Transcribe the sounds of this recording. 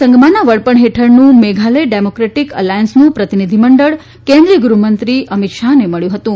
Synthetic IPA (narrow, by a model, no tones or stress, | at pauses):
ə̃ŋɡmanaʋəɭpəɳɦeʈʰəɾnũmeɡʱaləjɖemokɾeʈikəlajənsnũpɾət̪inid̪ʱiməɳɖəɭ | kẽnd̪ɾiəɡɾumənt̪ɾiʔəmit̪ʃaneməɭjũɦət̪ũ